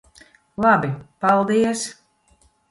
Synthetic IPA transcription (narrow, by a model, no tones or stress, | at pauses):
lˠabʲipalˠd̪iɛs